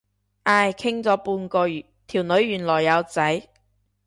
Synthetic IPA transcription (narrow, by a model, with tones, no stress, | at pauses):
ʔaː˧jkʰɪ˥ŋt͡sɔː˨˥puː˧nkɔː˧˨ | t̪ʰiː˨˩wnɵ˨˧ɥːyː˨˩nlɔː˨˩jːɐ˨˧wt͡sɐ˨˥j